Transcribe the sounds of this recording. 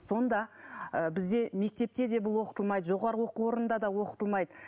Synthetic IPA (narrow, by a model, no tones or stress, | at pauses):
so̞nd̪ɑəbɪzd̪e̞me̞k̚t̪e̞p̚t̪e̞d̪e̞bʊlˠwo̞qə̥t̪əlˠmɑjd̪əʒo̞ʁɑɾəwo̞quwo̞ɾənənd̪ɑd̪ɑwo̞qə̥t̪əlˠmɑjd̪ə